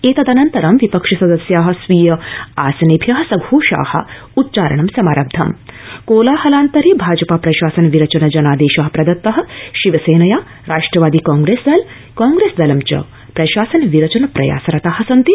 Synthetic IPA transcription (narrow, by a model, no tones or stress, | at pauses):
eːt̪ɐd̪ɐnɐnt̪ɐɾɐmʋipɐkʂɐsɐd̪ɐsjaːɦɐ̆sʋiːjɐa̰ːsɐnebʱjɐɦɐ̆sɐɡʱuːʃa̰ːhɐ̰ | ut̪̚ːt͡ʃaːɾɐ̰ɳɐmsɐmaːɾɐb̚d̪ʱɐ̰mkoːlaːhɐlaːnt̪ɐɾebʱaːd͡ʒɐpaːpɾɐʃaːsɐnʋiɾɐt͡ʃɐnɐd͡ʒɐnaːd̪eːʃɐɦɐpɾɐd̪ɐt̪ːɐɦɐ̆ʃiʋɐseːnɐjaː | ɾaːʂʈɾɐʋaːd̪iːkaːŋɡɾeːsd̪ɐl | kaːŋɡɾeːsd̪ɐlɐmt͡ʃɐ̰ | pɾɐʃaːsɐnʋiɾɐt͡ʃɐnɐpɾɐ̰ja̰ːsɐɾɐt̪aːɦɐsɐnt̪i